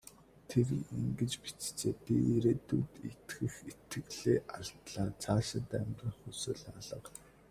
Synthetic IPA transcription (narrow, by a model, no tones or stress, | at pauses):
t̪ʰeriŋɡɘ̆t͡ɕpi̥t͡st͡seːpiɾeːt̪ut̪it̪ɡɘ̆xit̪ɘ̆ɣɮeːʔaɮt̪ɮaːt͡sʰaːʃɪ̆t̪æmʲrə̆ŋxusoːɮaɮə̆q